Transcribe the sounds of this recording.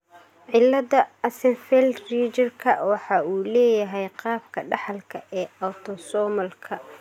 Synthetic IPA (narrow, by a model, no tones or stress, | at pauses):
ʕɪlːɐðɐɐsɛnfɛlriːt͡ʃɐrkʰɐwɑħɑːuːlɛːjɐɦɛjqɑːb̚kʰɐɖɑħɑlkʰɐʔɛːɐwt̪ʰɔsɔːmɐlkʰɐ